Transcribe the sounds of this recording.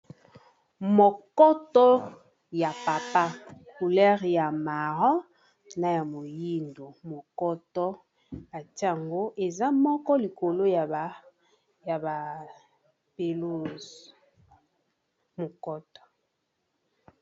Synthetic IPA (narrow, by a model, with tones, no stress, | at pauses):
mo˨kɔ˦tɔ˦ | ja˨pa˨pa˦ku˨lɛ˦ʁja˨ma˨ʁɔ˦ | na˨ja˨mo˨ji˦ndo˨mo˨kɔ˦tɔ˦ | a˨ti˦a˦˨ŋɡo˦ʔe˨za˦mɔ˦kɔ˦li˨ko˨lo˦j | ja˨ba˨ | pe˨lu˦z | mo˨kɔ˦tɔ̥˨